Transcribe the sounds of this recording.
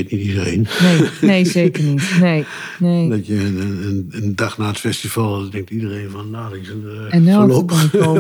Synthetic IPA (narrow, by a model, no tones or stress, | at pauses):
ɪtnitidərḛnnejneːzeːkərnitnej | neːdɔtjənənəndaxnaːətfɛstivalˠdɛŋk̚tidəreːnfɔndaːdɪs | ɛnɛlopoo